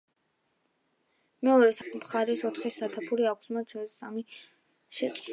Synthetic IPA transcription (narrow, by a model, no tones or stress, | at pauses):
mɛɔɾɛsamχaɾɛsɔt̪ʰχisat̪ʰapʰuɾiakʷʰsmat͡ʃʰɔsami | ʃɛt̪sʼ